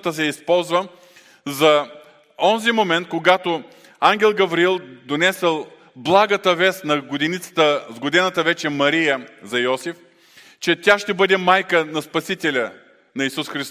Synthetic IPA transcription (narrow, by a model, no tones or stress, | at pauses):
t̪əs̬ɛispɔlˠzvə | zɐ | ɔnzimomɛnt̪̚koɡat̪o | aŋɡʲɛlˠɡɐvɾiilˠd̪onɛsɛlˠ | blˠaɡət̪əvɛst̪nɐɡod̪init̪sə̥t̪əzɡod̪ɛnət̪əvɛt͡ʃɛmɐɾijəzɐjɔsif | t͡ʃɛt̪ʲaʃt̪ɛbɤd̪ɛmajkənɐspɐsit̪ɛlʲə | nɐisusxɾist̪